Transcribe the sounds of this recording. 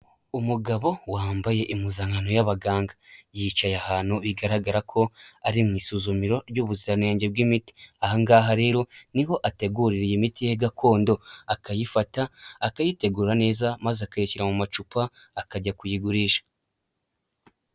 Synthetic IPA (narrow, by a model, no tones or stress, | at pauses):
umuɡaβo̞waːmbaje̞ʔimuzaːŋɡano̞jaβaɡaːŋɡḁjit͡ʃajahaːn̥huβiɡaɾaɡaɾakʰo̞aɾimŋiːsuzumiɾo̞ɾɟuːβuziɾaneːɲɟeb̚ɡimiti̥ahaŋɡaːɦaɾe̞ːɾo̞niɦo̞ʔate̞ɡuɾiɾijimitijeɡakʰo̞ːndo̞akajifataːkajite̞ɡuːɾane̞ːzamazakajiciɾamumat͡ʃupaːkaɟakujiɡuɾiʃḁ